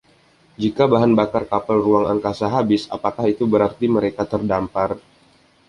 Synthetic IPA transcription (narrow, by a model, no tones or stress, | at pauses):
d͡ʒikabaɦanbakarkapalruaŋaŋkasaɦabɪsa̰pakahit̪ubəɾart̪iməɾekat̪ərdampar